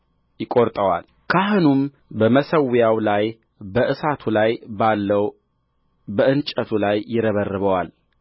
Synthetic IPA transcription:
jɪkʼoɾt̪ʼəwa̰l | kʰaɦɨnum | bəməsəwjawlaj | bəʔɨsat̪ʰulajbalːəw | bəʔɨnt͡ʃʼət̪ʰulajːɪɾəβərːɨβəwal

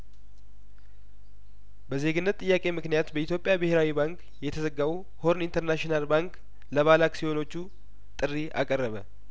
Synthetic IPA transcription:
bəze̞ɡɨnːət̪ʼːɨjːakʼe̞mɨknijat̪bəit̪jo̞pʼjabɨheɾawibaŋk | jɛt̪ʰəzəɡawu | ho̞ɾnint̪ʰəɾnaʃinalbaŋk | ləβalaksijo̞no̞t͡ʃːu | t̪ʼɨrːiʔa̰kʼərːəβə

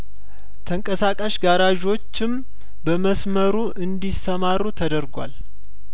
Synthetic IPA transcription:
t̪ʰəŋkʼəsakʼəʃɡaɾaʒo̞t͡ʃːɪm | bəməsməɾuʔɨnd̪isəmaɾːut̪ʰəd̪əɾɡʷa̰l

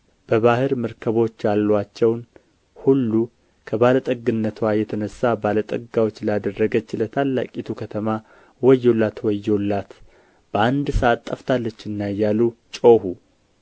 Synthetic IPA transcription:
b̥əβahɨɾmɨɾkʰəβo̞t͡ʃːjalːwat͡ʃːɛwn | hulːu | kʰəbalət̪ʼəɡɨnːət̪ʰwajɛt̪ʰənəsːabalət̪ʼəɡawo̞t͡ʃːlad̪ərːəɡət͡ʃːlət̪ʰalːa̰kʼit̪ʰukʰət̪ʰəma | wɔjːo̞lːat̪wɔjːo̞lːat̪ | b̥əand̪səʔat̪ʼːəft̪ʰalːət͡ʃːɨnːajalut͡ʃʼohu

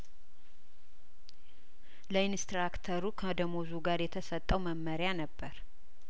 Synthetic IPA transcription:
ləinst̪ɾakt̪ʰəɾukʰəd̪əmozuɡaɾjɛt̪ʰəsət̪ʼːəwməmːəɾɪanəbːəɾ

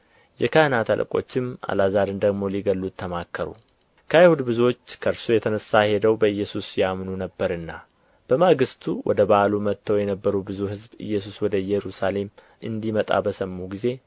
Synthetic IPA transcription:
jɛkʰahɨnat̪ʰa̰lʔə̰kʼo̞̰t͡ʃːɪma̰lazaɾɨnd̪əɡmo̞liɡəlːut̪ʰːəmakʰːəɾṵ | kʰəhjhud̪bɨzot͡ʃːkʰəɨɾsujɛt̪ʰənəsːahe̞d̪əwbəɨjːɛsusjamnunəbːəɾɨnːa | b̥əmaɡɨst̪ʰuwʔɔ̰d̪əbalumət̪ːəwjɛnəbːəɾubɨzuhɨzbɨ̰jːɛs̬uswɔd̪əɨjɛɾusale̞m | ʔɨnd̪imət̪ʼa̰bəsəmːuɡize̞

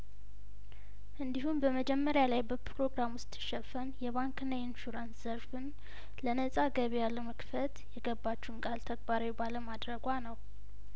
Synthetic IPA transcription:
ʔɨnd̪iɦumbəməd͡ʒɛmːəɾjalajbəpʰɾo̞ɡɾamwʊst̪ʰʼːɨ̥ʃɛfənjɛβaŋkɨnːajɪnʃuɾansz̥əɾfɨn | lənəsʼaɡəβejaləməkfət̪jɛɡəbːat͡ʃːuhnkʼalt̪ʰəɡbaɾawbaləmad̪ɾəɡʷanəw

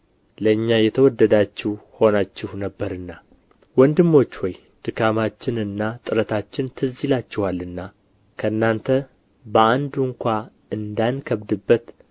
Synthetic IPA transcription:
ləɨɲːajɛt̪ʰəwɔd̪ːəd̪at͡ʃːɪhho̞nat͡ʃːɪhnəbːəɾɨnːa | wɔnd̪ɨmːo̞t͡ʃːwɔj | d̪̥ɨkʰamat͡ʃːɪnɨnːat̪ʼɨɾət̪ʰat͡ʃːɪnt̪ʰɨzilat͡ʃːɪwalːɨnːa | kʰəɨnːant̪ʰə | bəand̪uŋkʷa | ɨnd̪ankʰəβd̪ɨbːət̪

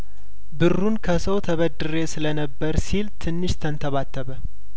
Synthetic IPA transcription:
bɨrːunkʰəsəwt̪ʰəβəd̪ɨɾe̞sɨlənəbːəɾsilt̪ʰɨnːɨʃt̪ʰənt̪ʰəβat̪ʰːəβə

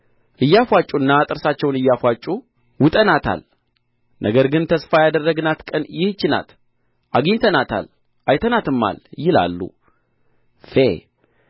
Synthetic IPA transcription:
ʔɨjːafʷat͡ʃʼuɨnːat̪ʼɨɾsat͡ʃːɛwnɨjːafʷat͡ʃʼu | wʊt̪ʼənat̪ʰa̰l | nʔəɡəɾɡɨnt̪ʰəsfajad̪ərːəɡɨnat̪kʼənjɪht͡ʃːɪna̰t̪ | ʔaɡiɲt̪ʰənat̪ʰa̰l | ʔajt̪ʰənat̪ɨmːa̰ljɪla̰lːṵ | fe

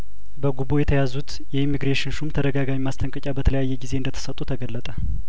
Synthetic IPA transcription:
bəɡuβojɛt̪ʰəjazut̪ | jɛimːiɡɾeʃɪnʃumt̪ʰəd̪əɡaɡammast̪ʰəŋkʼət͡ʃʼabət̪ʰələjajːɛɡize̞ɨnd̪ət̪ʰə̥sət̪ʼːut̪ʰəɡəlːət̪ʼə

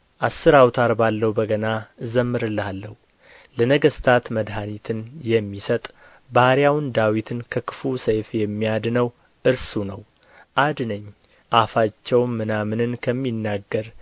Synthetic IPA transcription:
ʔasːɨɾawt̪ʰaɾbalːəhubəɡənaɨzəmːɨɾɨlːhalːəhu | lənəɡəst̪ʰat̪məd̪ɦanit̪ʰɨnjɛmːisət̪ʼ | bahɾjawnd̪awit̪ʰɨnkʰəkʰɨ̥fusəjfjɛmːijad̪nəw | ʔɨɾsunəw | ʔad̪nəɲː | ʔafat͡ʃːɛwːɨnamɨnɨnkʰəmːinːaɡːəɾ

